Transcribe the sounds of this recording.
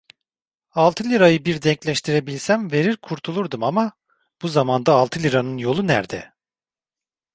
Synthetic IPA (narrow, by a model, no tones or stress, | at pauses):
alˠt̪ʰɯlʲiɾajɯbiɾd̪ɛɲclʲɛʃt̪ʰiɾe̞bilʲsænve̞ɾiɾkʰuɾt̪ʰulˠuɾd̪umama | b̥uzamand̪aːlˠt̪ʰɯlʲiɾanɯnjo̞lˠunæɾd̪ɛ